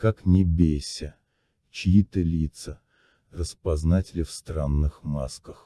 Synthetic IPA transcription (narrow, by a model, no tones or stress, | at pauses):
kaknʲɪbʲesʲə | t͡ɕɪjit̪əlʲit̪sə | rəspɐznatʲɪlʲɪfst̪ranːɨxma̰skəx